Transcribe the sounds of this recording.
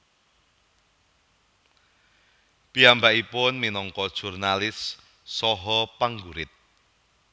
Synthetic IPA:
piambaʔipʊnminɔŋkɔd̥ʒ̥urnalɪsː | ɔɦɔpaŋɡuɾɪt̪̚

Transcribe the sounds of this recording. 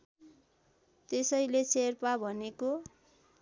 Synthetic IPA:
t̪esʌjlet͡sʰerpabʱʌneko

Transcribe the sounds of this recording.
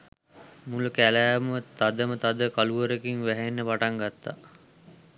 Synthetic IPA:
mulukælæːmət̪ad̪əmət̪ad̪əkaluʋəɾəkiŋʋæɦenːəpaʈaŋɡat̪ːa̰

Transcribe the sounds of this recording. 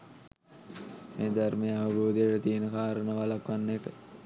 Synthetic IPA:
meːd̪armejəaʋəboːd̪ejəʈət̪iənəkaːɾənəʋalakʋanːepə

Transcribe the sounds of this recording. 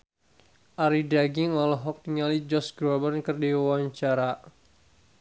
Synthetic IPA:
ʔaɾidaɡiŋɔlɔɦɔk̚t̪iŋalid͡ʒɔsɡɾɔbərnkərdiawaɲt͡ʃaɾa

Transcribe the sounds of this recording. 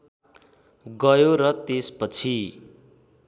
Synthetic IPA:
ɡʌjoɾʌt̪espʌt͡sʰi

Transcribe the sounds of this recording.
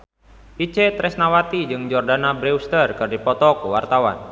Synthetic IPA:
ʔit͡ʃɛt̪ɾɛsnawat̪id͡ʒɨŋd͡ʒɔrdanabɾɛust̪ərkɨrdipɔt̪ɔkuwart̪awa̰n

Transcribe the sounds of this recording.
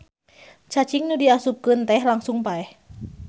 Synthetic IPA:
t͡ʃat͡ʃiŋnudiasup̚kənt̪ɛhlaŋsʊŋpaɛh

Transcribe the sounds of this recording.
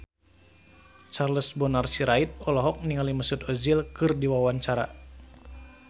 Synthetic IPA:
t͡ʃarləsbɔnarsiɾait̪̚ɔlɔɦɔk̚niŋaliməsut̪ɔzilkɨrdiwawaɲt͡ʃaɾa̰

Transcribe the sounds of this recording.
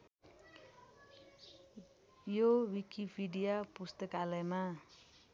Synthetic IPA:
jowikipʰiɖijapust̪əkalema

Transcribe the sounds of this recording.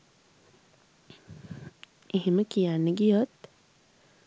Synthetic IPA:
eɦeməkijanːəɡijot̪

